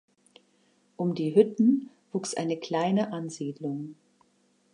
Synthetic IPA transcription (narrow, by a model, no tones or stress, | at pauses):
ʔʊmdiːɦʏtn̩ | v̥uːksʔa̰ɪnəkl̥aɪnəʔanziːdlʊŋ